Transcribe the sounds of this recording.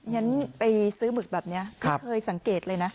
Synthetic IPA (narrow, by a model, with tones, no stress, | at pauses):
ŋa˦˥npa˧jsɯː˦˥mɯ˨˩k̚bɛː˨˩p̚ni˦˥ɐk̪ʰːkʰɤː˧jsa˨˩˦ŋkeː˨˩t̪̚lɤː˧jna˦˥